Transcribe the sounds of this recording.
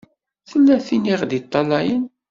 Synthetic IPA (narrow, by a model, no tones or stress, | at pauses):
θəlːæθiniʁd̪it̪ˤːɑlɑjən